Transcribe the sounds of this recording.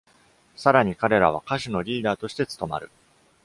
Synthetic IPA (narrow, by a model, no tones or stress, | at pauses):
saɾaɲ̟ikaɾe̞ɾaβ̞a̰kaɕino̞ɾʲiːd̪aːt̪o̞ɕi̥t̪e̞t͡sɨ̥t̪o̞ma̰ɾɯ̟